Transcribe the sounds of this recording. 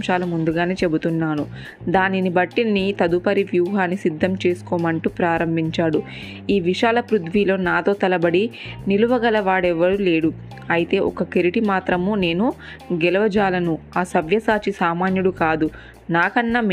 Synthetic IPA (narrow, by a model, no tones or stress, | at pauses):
mʃaːlɐmund̪uɡaːneːt͡ʃe̞but̪unːaːnu | d̪aːninibɐʈːinːit̪ɐd̪upɐɾiʋjuːɦaːnːisid̪ʱːɐmt͡ʃe̞ːsu̥kɔːmɐɳʈuːpɾaːɾɐmbʱiɲt͡ʃaːɽu | iːʋiʂaːlɐpɾud̪ʋiːlo̞ːnaːt̪o̞ːt̪ɐlɐbɐɽiniluʋɐɡɐlɐʋaːɽɛʋːɐɽule̞ːɽu | ɐjit̪e̞ːʔɔ̰kɐkeɾiʈimaːt̪ɾɐmuːne̞ːnu | ɡɛlɐʋɐd͡ʒaːlɐnuaːsɐʋjɐsaːt͡ʃisaːmaːnjuɽukaːd̪u | naːkɐnːaːm